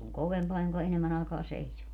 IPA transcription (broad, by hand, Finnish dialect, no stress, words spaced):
oŋ koʋempɑː joŋkɑ enemːæn ɑˑekɑː seisʲuː